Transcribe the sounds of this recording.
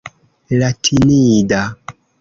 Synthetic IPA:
latʰinida

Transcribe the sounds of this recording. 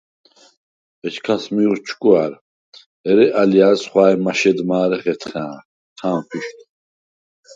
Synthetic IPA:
ɛt͡ʃkʰasmiuɾt͡ʃʰkʼuaɾ | ɛɾɛʔalijaːsχwaːɛmaʃɛd̪maːɾɛχɛt̪ʰχaː | t̪ʰãːmχʰiʃt̪ʰ

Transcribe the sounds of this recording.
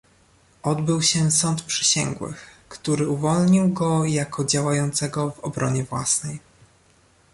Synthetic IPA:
ʔɔd̪bɘwɕɛsɔnt̪pʂɛ̥ɕɛ̰ŋɡwɘ̰xkt̪uɾɘuvɔlɲiwɡɔjakɔd͡ʑawajɔnt̪sɛɡɔvɔbɾɔɲɛvwasnɛj

